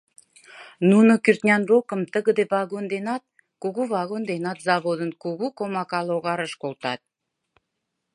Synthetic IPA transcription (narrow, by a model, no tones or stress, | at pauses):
nunokʲyrt̪nʲɑnɾokə̆mt̪əɡə̆d̪evaɡond̪enɑt̪̚ | kuɡuvaɣond̪enɑt̪zɑβod̪ə̆nkuɡukomɑkɑlˠoʁɑɾəʃkolˠt̪ɑt̪̚